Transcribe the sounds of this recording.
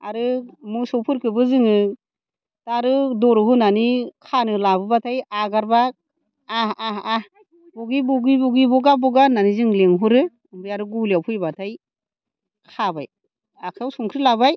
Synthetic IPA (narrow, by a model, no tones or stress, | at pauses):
a̰ɾɯmusɔpʰɯɾkʰɯbɯzɯŋɯ | taɾɯdɔɾɯɦunanikʰanɯlabɯbatʰajaɡaɾbaː | aa | b̥ɔɡibɔɡibɔɡibɔɡabɔɡananizɯŋleŋɦuɾɯ | bɯjaɾɯɡuliawpʰɯjbatʰaj | kʰabaj | akʰawsɔŋkʰɾilabaj